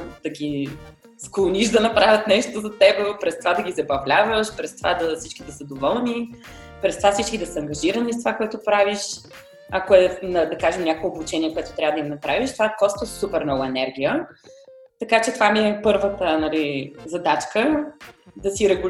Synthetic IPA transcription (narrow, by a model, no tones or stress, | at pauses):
d̪̥ɐɡʲi | sklˠoniʃd̪ɐnɐpɾavʲət̪nɛʃt̪ozɐt̪ɛbɛpɾɛst̪ovad̪ɐɡʲizɐbɐvlʲavəʃpɾɛst̪ovad̪ɐfsit͡ʃkid̪ɐsəd̪ovɔlˠni | pɾɛst̪ovafsit͡ʃkid̪ɐsɐɐŋɡɐʒiɾənist̪ovakoɛt̪ʊpɾaviʃ | ɐkoɛnɐd̪ɐkaʒɛmnʲakːbut͡ʃɛniɛkoɛt̪ʊt̪ɾʲavəd̪ɐimnɐpɾaviʃt̪ovakɔst̪osupɛɾmnɔɡʊɛnɛɾɡ̟ʲijə | t̪ɐkat͡ʃɛt̪ovamiɛpɤɾvət̪ənɐlizɐd̪at͡ʃkə | d̪ɐsiɾɛɡʊ